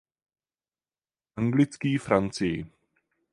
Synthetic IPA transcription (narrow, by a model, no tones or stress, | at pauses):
ʔaŋɡlɪt͡skiːfɾant͡sɪjɪ̰